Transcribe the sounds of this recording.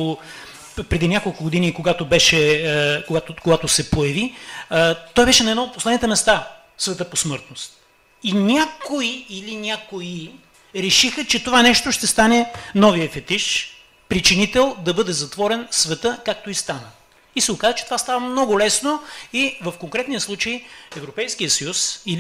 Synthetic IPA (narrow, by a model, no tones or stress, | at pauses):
pɾɛd̪inʲakolˠkʊɡod̪inikoɡat̪obɛʃɛkoɡat̪okoɡat̪osɛpojɐvi | t̪ɔjbɛʃɛnɐɛd̪ɔot̪̚poslɛd̪nit̪ɛmɛst̪a | svɛt̪əposmɤɾt̪nost̪̚ | inʲakoiilinʲakoi | ɾɛʃixət͡ʃɛt̪ovanɛʃt̪oʃt̪ɛst̪anɛnɔvijəfɛt̪iʃ | pɾit͡ʃinit̪ɛlˠd̪ɐbɤd̪ɛzɐt̪vɔɾɛnsvɛt̪əkak̚t̪oist̪anə | isɛokazət͡ʃɛ̥t̪ovast̪avəmnɔɡʊlɛsnoivɐfkoŋkɾɛt̪niəslˠut͡ʃəiɛvɾopɛjsk̟ijəsɐjusi